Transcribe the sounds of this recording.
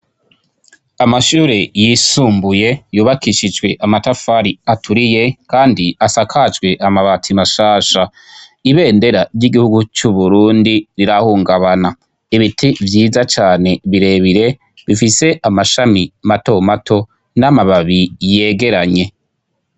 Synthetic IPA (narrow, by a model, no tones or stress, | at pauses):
amaʃuːɾejisuːmbuje̞juːβakiʃid͡ʒwe̞ʔamatafaɾiatʰuɾije̞kaːndiasakʰad͡ʒɡwe̞ʔamaβatʰimaʃaːʃa | iβe̞ːnde̞ɾaɾɟiɡihuɡut͡ʃuβuɾuːndiɾiɾahuːŋɡaβana | iβitʰivjiːzat͡ʃaːne̞βiɾe̞βiɾe̞ | βifise̞ʔamaʃamimato̞matʰo̞ | namaβaβije̞ːɡe̞ɾaɲe̞